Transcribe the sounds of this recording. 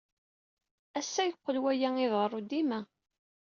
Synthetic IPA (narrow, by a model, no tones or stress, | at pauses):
æsːæjəqːəlwæjæŋiðʁərˤud̪imæ